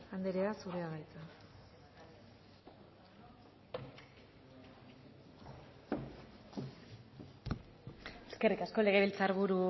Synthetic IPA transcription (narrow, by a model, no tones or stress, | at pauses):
and̪eɾeasureaɣajt͡sa | e̞ske̞rikasko̞le̞ɣ̞e̞βilt͡saɾβuɾu